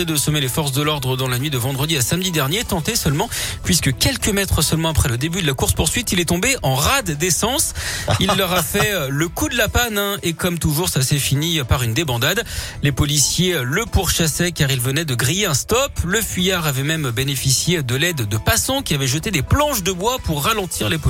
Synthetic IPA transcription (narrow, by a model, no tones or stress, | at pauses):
ed̪əsɔmelefɔʁs̬d̪əlɔʁd̪ʁəd̪ɑ̃lanɥid̪əvɑ̃d̪ʁəd̪iasamd̪id̪ɛʁnjet̪ɑ̃t̪esœlmɑ̃pɥiskəkʲɛlkəmɛt̪χəsœlmɑ̃apχɛləd̪ebyd̪əlakuʁspuʁsɥit̪ilɛt̪ɔ̃beʔɑ̃ʁad̪ːesɑ̃silːœʁafɛləkud̪əlapanɛ̃ekɔmt̪uʒuʁsasɛfinipaʁynd̪ebɑ̃d̪ad̪ | lepɔlisjeləpuʁʃasɛkaʁilvənɛd̪əɡʁijeɛ̃st̪ɔpləfɥijaʁavɛmɛmbenefisjed̪əlɛd̪ːəpasɔ̃kʲiavɛʒət̪ed̪eplɑ̃ʃd̪əbwapuʁːalɑ̃t̪ʰiʁlep